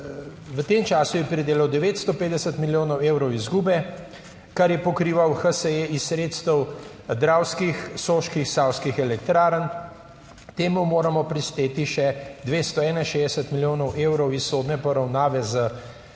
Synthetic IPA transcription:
ʋət̪eːmt͡ʃaːsujɛpɾid̪eːlɐwd̪ɛʋeːt̪st̪ɔpeːd̪ɛsət̪miljoːnɔweːwɾɔwizɡuːbɛ | kaɾjɛpɔkɾiːʋawxəsəeisːɾeːt̪st̪əw | d̪ɾaːwskixsoːʃkixsawskixɛlɛkt̪ɾaːɾən | t̪eːmumoːɾamɔpɾist̪eːt̪iʃɛd̪ʋeːst̪ɔɛːnainʃeːzd̪ɛsət̪miljoːnɔwʔeːwɾɔwissːoːd̪nɛpɔɾawnaːʋɛzə

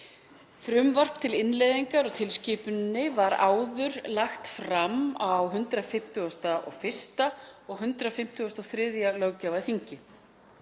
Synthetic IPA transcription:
fɾʏmvar̥pt̪ʰɪlɪnlejðiŋkaɾɔɣt̪ʰɪlscɪːpʏnnːɪvaɾa̰ːwðʏɾlaxt̪fɾamawɦʏnt̪ɾafɪm̥t̪ʏɔst̪aʔɔ̰ɣfɪr̥st̪aɔɣɦʏnt̪ɾafɪm̥t̪ʰʏɔst̪ɔɣθɾɪðjalœwcavḁθiɲcɪ

